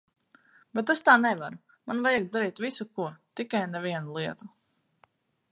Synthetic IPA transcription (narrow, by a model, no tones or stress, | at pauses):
bɛt̪ɛst̪aːnɛvaɾu | manvajaɡ̚d̪aɾiːt̪visukuɔt̪ikajnɛvʲiɛnulˠiɛt̪u